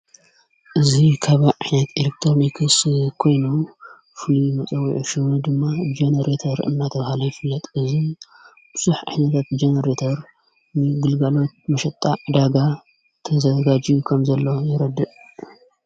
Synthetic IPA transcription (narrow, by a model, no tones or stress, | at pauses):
ʔɨzikʰaβaʕaħnat̪ʰelek̚t̪ʰɾonikʰɨskʰo̞jnom | fɨlumɐt͡sʼɐwiʕuʃɨwud̪ɨmːad͡ʒenɐɾet̪ʰɐɾɨ̰nːat̪ʰɐβahalɐjɪfɨlːɐt̪ʼɨzi | bsuħʕa̰ħnat̪ʰat̪̚d͡ʒenɐɾet̪ʰɐɾ | nɨɡɨlɡalo̞t̪̚mɐʃɐt̪ʼːaʕɨd̪aɡa | t̪ʰɐzɐɡad͡ʒijukʰɐmzɐlːo̞jɪɾɐd̪ɨʔ